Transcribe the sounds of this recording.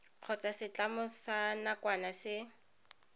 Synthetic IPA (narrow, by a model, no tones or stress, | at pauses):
q͡χʰɔt͡sasɪt͡ɬʼamʊsanakwanasɪ